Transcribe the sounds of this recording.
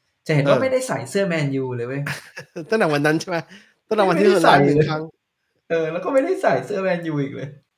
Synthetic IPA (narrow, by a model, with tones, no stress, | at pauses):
t͡ɕa˨˩he˨˩˦nwaː˥˧˩ma˥˩jda˥˩jsa˨˩˦jsɯː˥˩ɐmɛː˧njuː˧lɤː˧jma˦˥˩t̪ɔ˥˩nda˨˩wa˧nːa˦˥nt͡ɕʰjma˦˥ | t̪dwa˧n˥i˥˧˩saː˧˩˧i˧kʰa˦˥ŋ | ʔɤː˧lɛː˦˥wkɔ˥˩ma˥˩jda˥˩jsa˨˩˦jsɯː˥˩ɐmɛː˧njuː˧ʔiː˨˩k̚lɤː˧j